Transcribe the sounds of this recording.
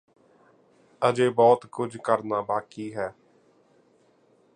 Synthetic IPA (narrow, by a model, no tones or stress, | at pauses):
əd͡ʒeːbɔːt̪kʊd͡ʒʱkəɾnaːbaːkiːɦɛː